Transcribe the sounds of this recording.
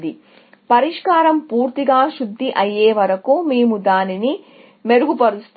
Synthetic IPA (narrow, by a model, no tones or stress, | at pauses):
d̪i | pɐɾiʂkaːɾɐmpuːɾt̪iɡaːʃud̪ʱːiʔɐjːeːʋɐɾɐkumeːmud̪aːnini | me̞ɾuɡupɐɾust̪